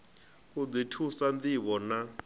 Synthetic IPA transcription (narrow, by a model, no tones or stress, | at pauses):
kud͡zitʰusandiβɔna